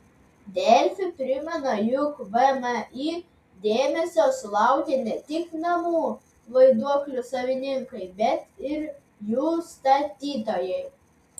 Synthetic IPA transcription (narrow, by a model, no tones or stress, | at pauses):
d̪ʲɛlʲfʲʊpʲɾʲɪmʲɛnɐjʊkʋɐmɐʔiː | d̪ʲeːmʲɛsʲoːslˠɑˑʊkʲenʲɛt̪ʲɪknɐmuː | ʋɐɪd̪uɔklʲʊsɐʋʲɪnʲɪŋkɐɪbʲɛt̪ɪɾ | juːst̪ɐt̪ʲiːt̪oːjɛɪ